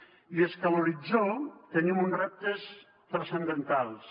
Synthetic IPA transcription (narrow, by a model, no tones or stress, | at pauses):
ieskaluɾid͡zot̪ənimunrɛp̚t̪əs | t̪ɾəsənd̪ənt̪alˠs